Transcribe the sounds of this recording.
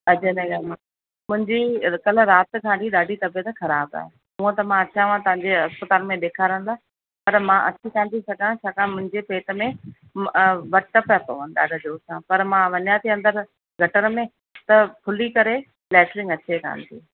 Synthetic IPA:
ɐd͡ʑeneɡaːlmã | mʊ̃ɦɪ̃ɲd͡ʑikɐl̤ʊ̆ɾaːt̪kʰãːɖʱiɗaːɖʱit̪ɐbjət̪xɐɾaːba̰ːɦe | mũːə̃t̪ɐmãɐt͡ɕʰãːʋãt̪ɐʋãɲd͡ʑeɐspət̪aːlmẽɗ̪eːkʰaːɾə̃n̆d̪aː | pɐɾmãʔɐt͡ɕʰikaːnt̪isɐɡãt͡ɕʰaːkãmʊ̃ɦɪ̃ɲd͡ʑepeːʈ̪ə̆mẽ | ʋɐɾʈəpɐt̪oɦənɪɗa̰ːɖʱəd͡ʑoːsãːpɐɾmãʋɐɲjat̪ʰiɐ̃nd̪əɾ | ɡʱɐʈəɾmẽ | t̪ɐpʰʊlikɐɾe | flɛːslɪ̃ŋɡɐt͡ɕʰeka̰ːnt̪ʰḭː

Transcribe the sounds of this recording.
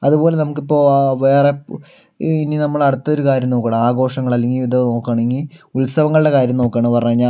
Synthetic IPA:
ɐðupo̞ːlenɐmuk̬ːipːo̞ːʋeːre | ininɐmːɐɭɐɽut̪ːɐo̞ɾukaːɾjɐmno̞ːkːɐaɳɐaːɡo̞ːʂɐŋːɐɭɐleŋɡiiðɐno̞ːkːaːɳeŋɡiulsɐʋɐŋːɐɭuɽe̞kaːɾjɐmno̞ːkːaːɳpɐrɐɲaːɲːaː

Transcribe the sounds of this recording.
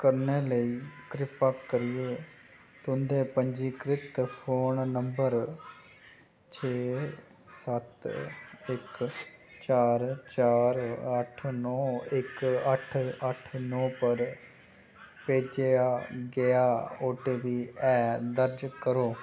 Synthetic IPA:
kəɾneːləiːkɾɪpakkəɾɪeː | t̪ʊnd̪eːpəɲd͡ʒiːkɾɪt̪pʰoːnnəmbəɾ | t͡ʃʰeː | sət̪ | ɪkt͡ʃaːɾt͡ʃaːɾəʈʰnɔːɪkəʈʰəʈʰnɔ̃ːpəɾ | peːd͡ʒeaːɡɪaːoːʈeːʋiːɛːd̪əɾd͡ʒkəɾoː

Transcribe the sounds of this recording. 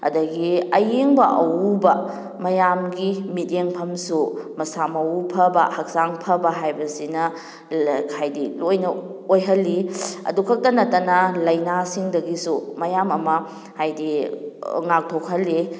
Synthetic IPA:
ɐ̰dɐɡiɐjeŋbɐʔɐwubɐ | mɐjamɡimiteŋpʰɐmsumɐsamɐupʰɐbɐ̰hɐk̚saŋpʰɐbɐɦajbɐsinɐ | kʰajdilojnɐojɦɐlːiɐ̰dukʰɐk̚tɐnɐtːɐnɐlɐjnasiŋdɐɡisumɐjamɐmɐ | hajdi | ŋak̚tʰokʰɐlːi

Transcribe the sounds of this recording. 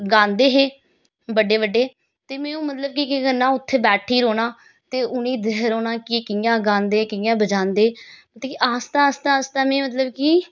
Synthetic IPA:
ɡãːnd̪eːɦeː | bəɖeːbəɖːeː | t̪eːmɛ̃ːũːmət̪ləb̚kikɪkənːãːʊt̪ʰːeːbɛːʈʰiːɾoːɽãː | t̪eːʔʊnĩːd̪eɦɾoːnãːkikɪjãːɡãːnd̪eːkɪjãːbəd͡ʒãːnd̪eːmət̪ːkiʔaːst̪aːst̪aːst̪aːmɛ̃ːmət̪̬ləbkiː

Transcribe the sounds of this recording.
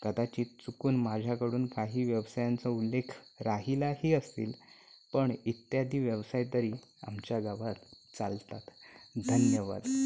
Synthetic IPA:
kəd̪at͡ɕiːt͡sukuːnmad͡ʑʱakəɽuːnkaɦiːʋjəʋsajant͡səulːekʰɾaɦilahiːəst̪ḭːl | pəɳit̪jad̪ʱiːʋjəʋsajt̪əɾiːa̰mt͡ɕjaɡaʋat̪ | t͡salt̪at̪d̪ʱənjəʋa̰d̪

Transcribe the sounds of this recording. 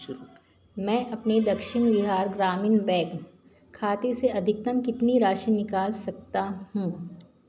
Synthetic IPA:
mɛ̃ːʔɐpned̪ɐkʃɪɳʋɪɦaːɾɡɾaːmɪnbɛ̃ːɡ | kʰaːt̪eseɐd̪ʱɪk̚t̪ɐmkɪt̪niɾaːʃinɪkaːlsɐk̚t̪aɦũː

